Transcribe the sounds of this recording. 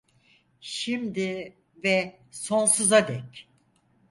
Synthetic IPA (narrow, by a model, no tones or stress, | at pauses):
ʃimd̪ɪ | vɛ | so̞nsuzad̪ɛc